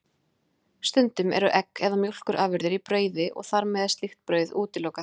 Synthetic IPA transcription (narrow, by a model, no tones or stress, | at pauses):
st̪ʏnt̪ʏmɛ̰ɾʏʔɛkːɛðamjowl̥kʏɾʔaːvɪɾðɪɾipɾœːɥðɪʔɔ̰ɣθaɾmɛðast̪lixt̪̚pɾœːɥðuːt̪ɪloːwka